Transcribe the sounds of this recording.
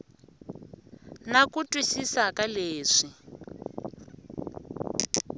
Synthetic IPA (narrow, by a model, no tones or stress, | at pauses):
nakutʼwisisakaleːʂi